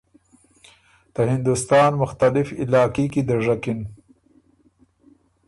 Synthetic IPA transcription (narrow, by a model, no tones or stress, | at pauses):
d̪̥əhɪnd̪ust̪ɑːnmʊxt̪alɪfɪlɑːkikid̪əʐakɪn